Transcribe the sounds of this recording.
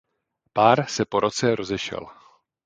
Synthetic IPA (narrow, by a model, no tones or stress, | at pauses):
paːɾsɛpo̞ɾʔo̞t͡sɛɾo̞zɛʃɛ̰l